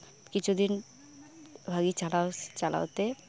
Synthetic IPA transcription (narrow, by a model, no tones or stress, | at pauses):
kit͡ɕʰud̪in | bʱaɡit͡ɕalat͡ʃala̰wt̪e